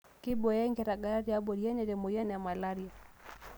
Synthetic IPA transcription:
ki˦bɔ˨jɛ˦ŋɡɛ˨ɾa˨ɡa˨ɾa˦ɾi˨a˦bɔ˨ɾi˨ɛ˦nɛ˨ɾɛ˨mɔ˨ja˦n˨a˨ma˨la˦ɾi˨a˨

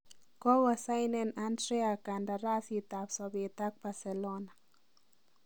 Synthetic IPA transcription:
kɔ˦wa˨sa˦jnɛnantɾɛ˦a˨ka˨nda˨ɾa˦si˨ta˨psɔ˨be˨t̪a˦k̚ba˨sɛ˨lɔna˨

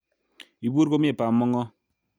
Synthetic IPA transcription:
i˨bu˦ɾko˦m˦e˨pa˨mːɔ˦ŋɔ˦

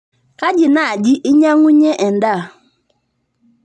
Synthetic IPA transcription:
ka˦d͡ʒi˨na˨a˨d͡ʒi˦ʔi˦ɲa˦ŋu˦ɲe˦ʔɛ˨n̩˨da˦˨

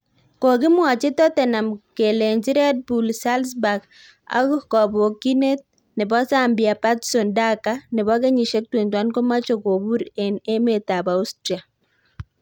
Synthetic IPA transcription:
kɔ˨kɪ˦mwa˨t͡ʃe˦tɔ˦tɛ˨na˨mke˨le˨ɲd͡ʒi˦ɾɛ˦t̚bu˨lsa˦lsba˨ɡ | a̰˨˦kkɔ˨bo˨ki˦ne˦t̚ | nɪ˨bɔ˦sa˦mbɪ˨a˨pa˦tso˨nda˦ka˦nɪ˨βɔ˦kɛ˦ɲi˨ʃe˦k̚twe˨ntwa˦nko˦ma˦t͡ʃo˨ko˨βu˦ɾe˨ne˦me˨ta˨ba˨u˦stɾi˨a˨

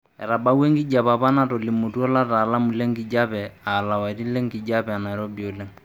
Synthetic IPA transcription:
ɛ˨ɾa˨ba˦we˦ŋkɪ˦d͡ʒa˨pa˨pa˦na˦˨to˨li˨mo˨tu˦ɔ˦la˦ta˨la˦mu˨le˦ŋkɪ˨d͡ʒa˦pɛ˨a˨la˨wa˨i˨ti˦lɛ˦ŋkɪ˨d͡ʒa˦pɛ˨a˨na˨ɛ˨ɾɔ˦bi˨o˨lɛ˦ŋ

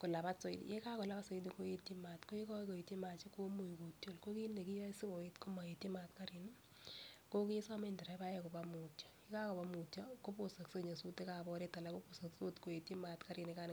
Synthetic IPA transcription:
ko˨la˨pa˦so˨ḭtje˦ka˦kʊ˨la˦pa˦so˨i˦ni˨ko˦je˦ti˦matko˦e˦kɔ˦ko˨e˨ti˦ma˨t͡ʃi˦ko˦mu˨jko˨tjo˨lko˦ki˦nde˨ki˦jɔ˦si˦bo˨i˦tko˦ma˨je˨ti˦ma˨tka˦ɾɪ˨n | ko˦ki˦sa˦me˦ndɪ˨ɾa˨˦ba˦jeko˨ba˦mu˨tjɔ̥˨je˦ka˦ko˨pa˦mu˨tɔ˦ko˦po˨sa˨kso˦ɲa˨su˦te˦ka˨bɔ˦ɾe˦ta˨la˦ko˦po˨sa˨kso˦tko˨je˨ti˦ma˨tka˦ɾɪ˨neka˦n

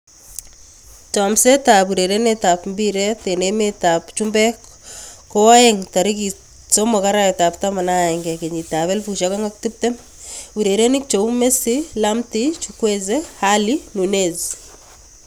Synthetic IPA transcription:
tɔ˨mse˦tapu˨ɾe˨ɾeneta˨pmbi˦ɾɛ˦te˨neme˦tapt͡ʃumbɛ | ko˦wa˦ɛŋta˨ɾiki | so˦mo˨ka˦ɾa˦ɛta˨ptama˨na˦˨ɛ˨ŋɡɛ˨ke˨ɲi˨ta˨βɛ˦lfuʃakaŋa˦k̚ti˦p̚te˦m | uɾe˨ɾe˦nɪ˦k̚t͡ʃo˨ume˦silamtit͡ʃukwezehalinu˨nez

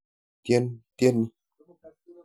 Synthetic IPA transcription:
tjɛ˦ntje˦nːi˦

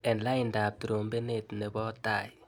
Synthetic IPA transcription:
ɛ˨nla˦ɪ˨nda˨p̚tu˨ɾo˨mbe˦ne˦˨tne˨bɔ˦ta˦˨j

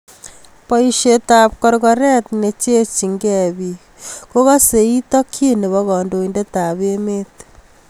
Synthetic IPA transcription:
pɔ˦iʃeta˨p̚kɔ˨ɾɣɔ˨ɾɛ˦t̪ne˨t͡ʃe˦t͡ʃi˨ŋɡɛ˦˨βi˨ | ko˦ɣa˦se˨i˦tɔ˦kʰi˦ne˨βɔ˦ɣɔ˨ndo˨i˨nde˦ta˨βe˦me˦t̪

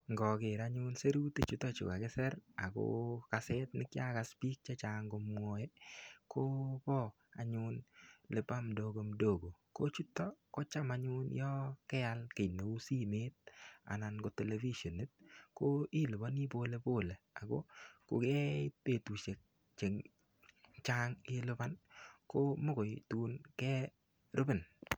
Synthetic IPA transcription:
ŋɡɔ˨ke˨ɾaɲʊ˦nse˦ɾu˦te˦t͡ʃu˦tːɔ˦t͡ʃʊ̰˨ka˨kɛ˦sɛ˦ɾa˨ko̰ka˨sɛ˦t̚nɪ˦kja˦ka˦spi˦k̚t͡ʃa˦t͡ʃa˨ŋɡo˧m˦o˨je˦kʰo˦pɔ˦ | a̰˨ɲʊ˦nle˨pa˦mdo˦˧ɡo˦mdo˦˨ɡo˨ko˦t͡ʃu˦tːɔ˦ko˦t͡ʃa˦ma˦ɲʊ˦njɔ˦kɛ˦a˦lke˨ne˨u˦si˦mɪ˦t̪̚a̰˨na˨nɡo˨te˨le˨vi˦ʃo˨ne˦t̪̚ko˦ɪ˦lo˨ba˦ni˦bo˦le˦bo˦˨le˨a˨ɡo˦ko̰˨ɡe˦te˦˨t̪u˨t͡ʃe˨k̚ | t͡ʃe˨ŋ | t͡ʃa˦ŋɪ˦lʊ˦ba˦nko˦mo˦ɡo˨jtu˨˦nkɛ˦ | ɾo˦be˨n

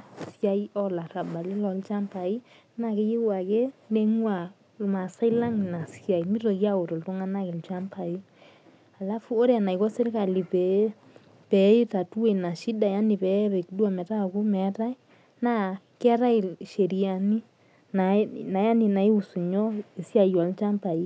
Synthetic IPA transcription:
sja˨i˦ɔ˦la˨ɾa˨ba˨le˦lɔ˨lt͡ʃa˦mpa˨i˦ | na˨ke˦je˦wa˨ke˦nde˦ŋwa˨ | ma˨sa˦i˦la˦ŋ˨na˨sja˨i˨mi˦ɾo˨kja˦o˨to˨ltɔ˦ŋa˦na˦ke˨lt͡ʃa˦mpa˨i˦ | a˨la˦fu˦o˦ɾe˦a˨na˨i˨kɔ˦se˦ɾka˨li˨pɛ˨˦ | pɛ˨i˦ta˨tu˦we˨na˨ʃi˦da˨ja˦ni˨pɛ˨˦pɛ˨kdu˦a˨mɛ˨ta˦˨ku˦mɛ˨ta˦ | na˦ | kɛ˦ɾa˦i˨ʃe˨ɾi˨a˨ni˦ | na˨˦na˨ja˦ni˨na˨i˦u˨su˨ɲɔ˦e˨sja˨jɔ˨lt͡ʃa˦mpa˨i˦

